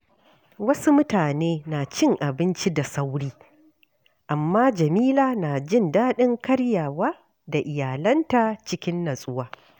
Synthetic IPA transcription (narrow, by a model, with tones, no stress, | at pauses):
wɐ˦su˦mʊ˦taː˨neː˦na˨t͡ʃɪ˦˨ŋʔa˨bɪ˦nt͡ʃi˦da˨sa˦wɽiː˦ | ʔa˨mːaː˦d͡ʒɐ˨miː˦laː˨naː˨d͡ʒɪ˦˨ndaː˦ɗɪ˦ŋkɐ˦ɽja˨waː˦ | da˨ʔɪ˨jaː˨lɐ˦ntaː˨t͡ʃɪ˦kʲɪ˦nːɐ˨sʼʊ˦waː˦